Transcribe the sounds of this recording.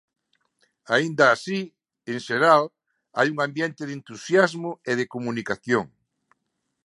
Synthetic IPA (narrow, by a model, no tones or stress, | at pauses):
aind̪aːsi | eŋʃeɾal | a̰juŋambjent̪ɪðent̪usjazmʊeðekomunikaθjoŋ